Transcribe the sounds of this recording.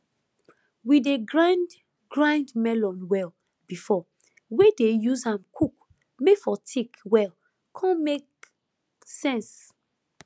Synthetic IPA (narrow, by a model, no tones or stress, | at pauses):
wideɡɹãnd | ɡɹãndmɛlɔ̃nwɛl | bifɔ | wedejuzãmkʰuk | mefɔtʰikwɛl | kʰɔ̃nmek̚ | sɛ̃ns